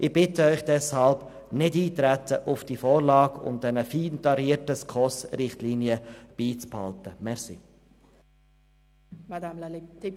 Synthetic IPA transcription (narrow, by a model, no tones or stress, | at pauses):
ʔɪb̥ɪtəœʏχd̥ɛshɑlb | nɪdiːtɾætəʔʊfd̥ifɔːɾlɑːɡʊ̰md̪ɛnəfiːntɑɾiəɾtəskʰɔsɾɪχtliniəb̥iːt͡sphɑltəmɛɾsi | mda